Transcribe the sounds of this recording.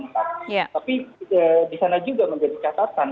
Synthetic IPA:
nt̪ajat̪apiəːdisanad͡ʒuɡaməɲd͡ʒadit͡ʃat̪at̪an

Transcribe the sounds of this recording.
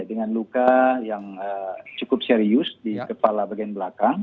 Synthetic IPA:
dəŋanlukajaŋət͡ʃukʊp̚seɾiʊsdikəpalabaɡanbəlakaŋ

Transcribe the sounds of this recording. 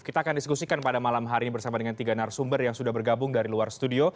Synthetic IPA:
kit̪aːkandisə̥kusikanpadamalamɦaɾinibərsamadəŋant̪iɡanarsumbərjaŋsudahbərɡabʊŋdaɾiluarsə̥t̪udio

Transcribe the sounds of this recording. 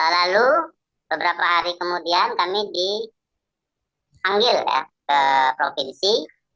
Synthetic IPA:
lalu | bəbəɾapaɦaɾikəmudiankamidi | haŋɡɪlja̰kəpɾofinsi

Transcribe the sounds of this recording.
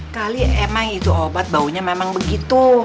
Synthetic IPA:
kaliemaŋit̪uobat̪̚bauɲamemaŋbəɡit̪u

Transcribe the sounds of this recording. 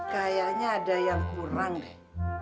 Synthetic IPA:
kajaɲaːdajaŋpuɾaŋdɛ

